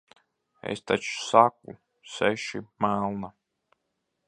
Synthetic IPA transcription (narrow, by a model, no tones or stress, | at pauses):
ḛst̪at͡ʃsak̚ṵ | sɛʃimælˠna